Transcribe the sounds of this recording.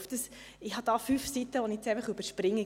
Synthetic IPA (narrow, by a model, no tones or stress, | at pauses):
fd̥əs | ɪhɑd̥ɑːfyːfsit̪əʋɔniɛt͡sɛɪfəχyb̥əɾʃpɾɪŋːə